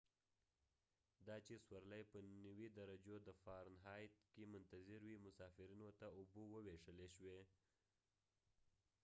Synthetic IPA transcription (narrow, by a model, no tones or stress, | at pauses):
d̪ɑt͡ʃeswaɾlajpənəwid̪aɾad͡ʒod̪əfɑɾnɦɑjt̪kemʊnt̪azɪɾwimʊsɑfɪɾinot̪aʊbowəweʂəleʃwe